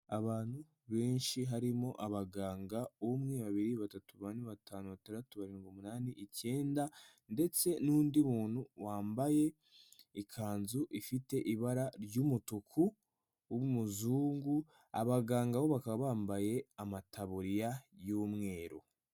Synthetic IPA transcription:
aβaːn̥hu | βeːnʃiɦaɾimo̞ʔaβaɡaːŋɡaomŋe̞βaβiɾiβatatuβaniβataːnuβataɾatuβaɾeːŋɡomunaːniʔice̞ːnda | nde̞t͡se̞nuːndimuːn̥huwaːmbaje̞ | ikʰaːnzuʔifite̞ʔiβaɾaɾɟuːmutukʰu | βumuzuːŋɡu | a̰βaɡaːŋɡawo̞βakaβaːmbaje̞amatʰaβuɾjajuːmŋe̞ːɾo̰

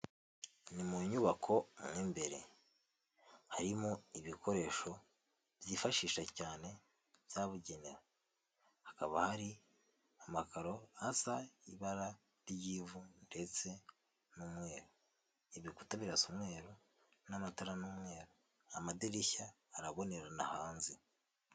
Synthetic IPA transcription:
nimuɲuβakʰo̞mŋiːmbe̞ɾe̞̰ | haɾimoiβikʰo̞ɾe̞ːʃo̞ | bjiːfaʃiːʃacaːne̞ | β̥jaβuɟe̞neɾa | hakaβahaɾi | amakaɾo̞asaiβaɾa | ɾijivunde̞t͡se̞ | numwe̞ːɾo | iβiku̥taβiɾasomwe̞ːɾo | namataɾanumwe̞ːɾo | amadeɾiçaː | ɾaβo̞ne̞ɾanahaːnzi

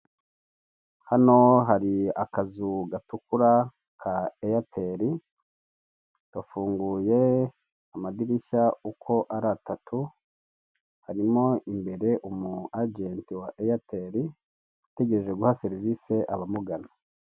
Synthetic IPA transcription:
hano̞ɦaɾiakazuɡatukuɾa | kʰaejatʰeɾi | tafuːŋɡuːje̞ | amadiɾiʃaukʰo̞ʔaɾatatʰu | haɾimo̞imbe̞ɾe̞ʔumuaɟentiwaʔejateɾi | ate̞ɡe̞ɾe̞ʒwe̞ɡuhaseɾivise̞ʔaβamuɡana

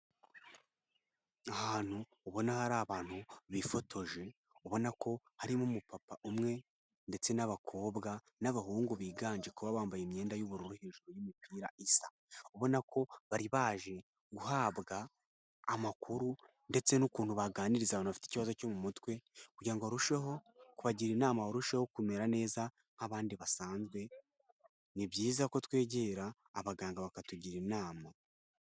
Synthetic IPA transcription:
ahaːn̥huːβo̞nahaɾaːβaːn̥huβifo̞tʰo̞ʒe̞ | uβo̞nakʰo̞ | haɾimumupapaʔumŋe̞ | nde̞t͡se̞naβakʰo̞ːβɡa | naβaɦuːŋɡuβiːɡaːnd͡ʒekuβaβaːmbajemɲe̞ːndajuβuɾuɾuheːʒuɾojimipiːɾaʔisa | uβo̞nakʰo̞βaɾiβaːʒe̞ | ɡuhaːβɡaː | makuɾu | nde̞t͡se̞nukuːn̥huβaɡaːniɾizaβonaβafi̥tei̥ciβazo̞comumutwe̞kuɟiɾaŋɡoɾuʃeɦo̞kuβaɟiɾinaːmaoɾuʃeho̞kume̞ɾane̞ːza | ŋ̥haβaːndiβasaːnzɡwe̞ | nibjiːzako̞twe̞ːɟe̞ɾaː | βaɡaːŋɡaβakatuɟiɾinaːma

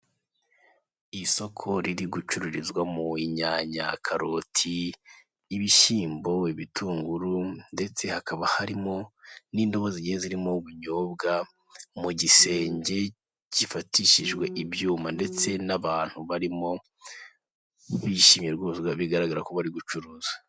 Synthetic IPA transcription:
iso̞kʰo̞ɾiɾiɡut͡ʃuɾuɾizɡwamuiɲaːɲa̰kʰaɾo̞tʰiː | βiʃiːmbo̞iβitʰuːŋɡuɾunde̞t͡se̞hakaβahaɾimo̞niːndo̞βoziɲeziɾimoβuɲoːbɡa | muɟise̞ːɲɟe̞ | ɟ̥ifatiʃiʒɡwe̞ʔibjuːmande̞t͡se̞naβaːn̥huβaɾimo̞ | βiʃiːmjeɾɡoɡaβiɡaɾaɡaɾakoβaɾiɡut͡ʃuɾuːzwḁ

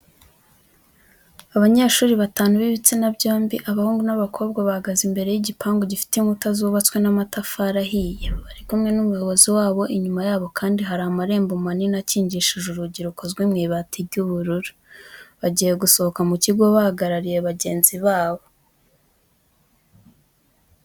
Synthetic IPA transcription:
aβaɲaʃuːɾiβataːnuβiβit͡sinabɟoːmbiʔaβahuːŋɡunaβakʰo̞ːb̚ɡwaβahaɡazimbe̞ɾe̞jiɟipʰaːŋɡoɟifi̥teŋutazuβat͡swe̞namatafaɾaɦijeβaɾikumŋe̞numujo̞βo̞ziwaːβo̞ʔiɲumajaːβo̞kʰaːndiɦaɾaamaɾe̞ːmbumaninaciːɲɟiʃiʒuɾuɟiɾukʰo̞zɡwimŋiːβatʰiɟuβuɾuɾu̥ | βaɟiːje̞ɡuso̞hokamuciɡo̞βahaɡaɾaɾije̞βaɟe̞ːnziβaːβo̞

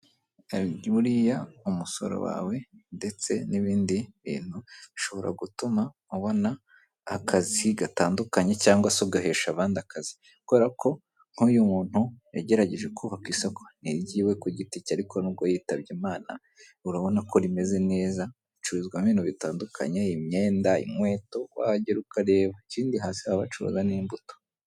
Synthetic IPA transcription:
uɾijaumuso̞̰ɾo̰wa̰ːwe̞nde̞t͡se̞niβiːndiβḭːn̥huβiʃo̞βo̞ɾa̰ɡutuma | uβo̞naː | kʰaziɡataːndukaɲe̞caːŋɡwasoɡaɦe̞ʃaβaːndakʰazi̥ | koβe̞ɾakʰo̞ | ŋ̥ujumuːn̥hujaɟe̞ɾaɟe̞ʒe̞kʰuβakwiːsokʰḁniɟiːwe̞kuɟiticaɾikʰo̞nuβɡojiːtaβɟimaːna̰ | uɾaβo̞nakʰo̞ɾime̞ze̞ne̞ːza | it͡ʃuɾuzɡwaminuβitaːndukʰa̰ɲeimɲeːndaḭmwe̞ːto̞wa̰ɟeɾukaɾe̞ːβaciːndiɦaːsihaβat͡ʃuɾṵzaniːmbuto̥

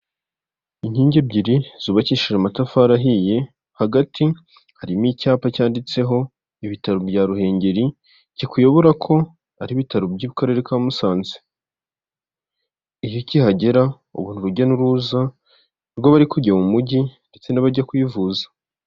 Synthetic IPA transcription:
iɲ̥hiːɲɟebɟiɾiz̥uβaciʃiɾamatafaɾaɦije̞ | haɡatʰi | haɾimicaːpacaːndit͡se̞ɦo̞ | iβitaɾubɟaːɾuhe̞ːɲɟe̞ɾi | cikujo̞βoɾakʰo̞ | aɾiβitaɾubɟuːβikaɾe̞ɾekamusaːnze | ijocihaɟe̞ɾa | ṵβuːn̥uɾuɟanuɾuːza | ɾɡoβaɾikuɟemumuɟinde̞t͡se̞naβaɾɟakujivuːzḁ

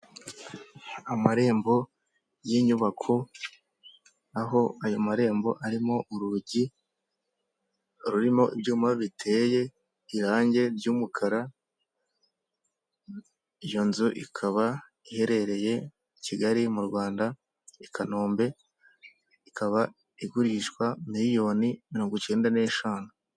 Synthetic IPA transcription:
amaɾe̞ːmbo̞ | jiɲuβakʰo̞ | aɦo̞ajomaɾe̞ːmbo̞̰ʔaɾimoʔuɾuɟi | ɾuɾimo̞ʔibɟuːmaβitʰe̞ːje̞ | iɾaːɲɟe̞ɾɟuːmukʰaɾa | ijo̞nzuʔikʰaβa | ihe̞ɾe̞ɾe̞je̞ | ciɡaɾimuɾɡwaːnda | ikʰanoːmbe̞ | ikʰaβa | iɡuɾiʃkwamiɾijo̞nimiɾo̞ːŋɡut͡ʃe̞ːndane̞ʃaːnu

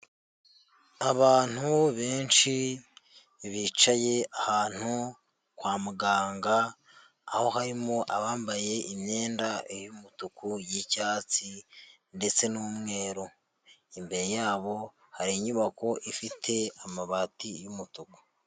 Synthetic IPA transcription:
aβaːn̥huβe̞ːnʃi | βit͡ʃaje̞ahaːn̥hu | kwaːmuɡaːŋɡaː | ho̞ɦaɾimo̞ʔaβaːmbaje̞ʔimɲe̞ːndajumutukujicaːt͡si | nde̞t͡se̞nuːmŋe̞ːɾo | imbe̞ɾe̞jaːβo̞ | haɾiɲuβakʰo̞ʔifitʰe̞amaβatijumutuku̥

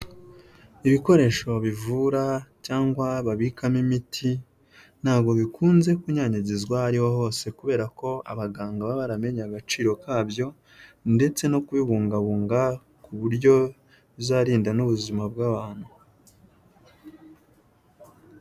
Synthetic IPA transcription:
iβiko̞ɾe̞ʃo̞βivuɾacaːŋɡwaβaβikamimitʰi | n̥haːβɡo̞βikʰuːnze̞kuɲaɲaɟizɡwahaɾihoɦo̞ːse̞kuβe̞ːɾako̞a̰βaɡaːŋɡaβaβaɾame̞ɲaɡat͡ʃiːɾo̞kaːbjo̞ | nde̞t͡se̞no̞kuβiβuːŋɡaβuːŋɡa | kuβuɾɟo̞ | βzaɾiːndanuβuzimab̚ɡaβaːn̥hu

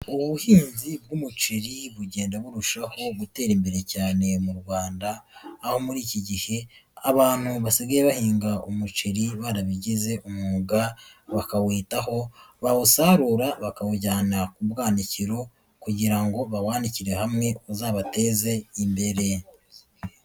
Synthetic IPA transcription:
uββuhiːnzib̚ɡuːmut͡ʃiɾiβuɟeːndaβuɾuʃaho̞ɡute̞ːɾimbe̞ɾe̞caːne̞muɾɡwaːndaːho̞muɾiːciɟihe̞aβaːn̥huβasiɡajeβahiːŋɡaumut͡ʃiɾiβaɾaβiɟize̞ʔumuɡaβakawiːtaho̞βaβusaɾuːɾaβakawuɟaːnakubɡaːniciɾo̞ | kuɟiɾaŋɡo̞βawaːniciɾe̞hamŋe̞uzaːβate̞ːze̞imbe̞ɾe̞

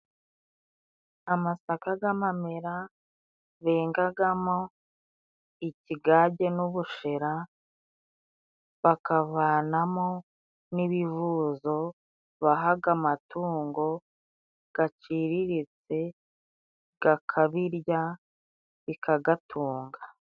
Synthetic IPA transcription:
amasakaɡamame̞ɾa | βe̞ːŋɡaɡamo̞ | iciɡaːɟe̞nuβuʃe̞ɾa | βakaβaːnamo | niβivuzo̞ | βaɦaɡamatuːŋɡo̞ | ɡ̥at͡ʃiːɾiɾit͡se̞ | ɡ̥akʰaβiɾja | βikʰaɡatʰuːŋɡa

